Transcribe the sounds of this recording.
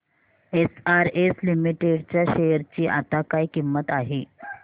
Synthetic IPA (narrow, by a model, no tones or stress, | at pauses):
esaɾeslimiʈeɖt͡ɕjaɕejəɾt͡ɕiːʔa̰t̪akaikimːət̪aɦe